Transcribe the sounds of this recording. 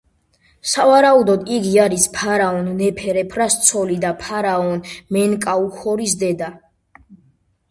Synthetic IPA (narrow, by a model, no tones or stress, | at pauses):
savaɾaud̪ɔd̪iɡiaɾispʰaɾaɔnːɛpʰɛɾɛpʰɾast̪sʰɔlid̪apʰaɾaɔnmɛnkʼauxɔɾisd̪ɛd̪a